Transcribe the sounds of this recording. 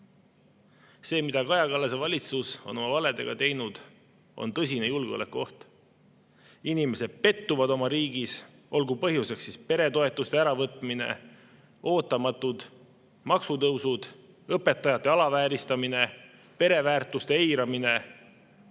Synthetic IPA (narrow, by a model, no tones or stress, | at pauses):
se̞ːmid̪̥ɑkɑjɑkɑlːɑsevɑlʲit̪suso̞̰no̞mɑvɑle̞d̪e̞̰ɡ̥ɑt̪e̞jnud̪̥ | o̞̰nt̪ɤs̬ʲine̞julɡ̥eolḛkːo̞ht̪ | inime̞se̞d̪̥̚pe̞t̪ːuvɑd̪o̞mɑɾiːɡ̥is | o̞lɡupɤɦjuse̞ksːispe̞ɾe̞t̪o̞e̞t̪ːˑust̪e̞æɾɑvɤt̪ˑmine̞̰ | o̞ːt̪ːˑɑmɑt̪ːud̪̥ | mɑksut̪ɤwsud̪̥ | ɤpːe̞t̪ːˑɑjɑt̪ˑːe̞ɑlɑvæːɾist̪ɑmine̞ | pe̞ɾe̞væːrt̪ːˑust̪eejɾɑmine̞